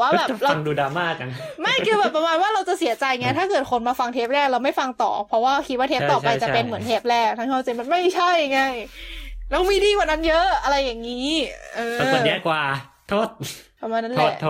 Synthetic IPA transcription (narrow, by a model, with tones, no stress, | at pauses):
waː˥˩bɛː˨˩ɾa˧a˧ŋduː˧daː˧maː˥˩k̚a˧ma˥˩jkʰɯː˧bɛː˨˩pːɾa˧maː˧nwaː˥˩ɾa˧wt͡ɕa˨˩si˨˩˦ɐt͡ɕa˧jŋa˦˥t̪ʰaː˥˩kɤː˨˩t̪̚kʰo˧nmaː˧fa˧ŋt̪ʰeː˦˥p̚lɛː˥˩k̚ɾa˧wma˥˩jfa˧ŋt̪ɔ̰ː˨˩pʰɔ˦˥waː˥˩kʰi˦˥waː˥˩t̪ʰe˦˥˩p̚t̪ɔː˨˩pa˧jt͡ɕa˨˩pe˧nmɯ˩˦ənt̪ʰeː˦˥p̚lɛː˥˩k̚t̪ʰaː˥˩ŋkʰa˥˩wt͡ɕa˧jma˧nma˥˩jt͡ɕʰa˥˩jŋa˧˩j | nɔ˧˥˩miː˧tiː˥˩kwaː˨˩na˦˥njɤ˦˥a˧ɾa˧jːa˨˩ŋːiː˦˥ʔɤː˧˨˩jɛ˦˥kwaː˨˩t̪ʰːoː˥˩t̪̚kʰa˧mwaː˧na˦˥lɛ˧˩˧